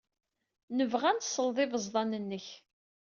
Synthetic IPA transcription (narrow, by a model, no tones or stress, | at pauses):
nəvʁænt̪sˤəlðˤɪvəzˤðˤɑnənːəç